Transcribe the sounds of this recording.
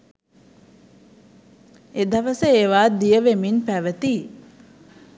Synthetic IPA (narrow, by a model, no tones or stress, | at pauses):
ed̪aʋəsəeːʋaːd̪ijəʋeminpæʋət̪i